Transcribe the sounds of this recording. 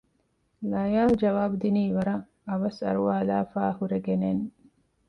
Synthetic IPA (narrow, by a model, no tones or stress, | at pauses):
lɐjaːd͡ʒɐʋaːbud̪iniːʋɐɾɐ | ɐʋɐsɐ̰ɾuʋaːlaːfaːhuɾeɡenen